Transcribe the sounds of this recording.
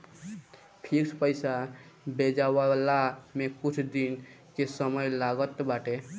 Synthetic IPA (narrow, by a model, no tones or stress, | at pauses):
pʰikspəɪsa | bed͡ʒawalamẽkʊt͡ʃʰd̪in | kesəməjlaɡət̪baʈe